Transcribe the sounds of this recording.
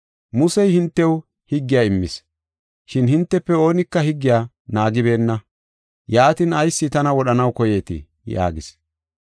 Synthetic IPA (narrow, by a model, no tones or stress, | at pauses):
mʊsɛjhɪnt̪ːɛw | hɪɡːɪjaːɪmːɪs | ʃɪnhɪnt̪ːɛpːɛo̞ːnɪkːɐhɪɡːɪjaː | naːɡɪbe̞ːnːɐ | jaːt̪ɪnɐjsːɪt̪ɐnɐwɔɗɐnɐwkɔje̞ːt̪ɪ̰ | ja̰ːɡɪs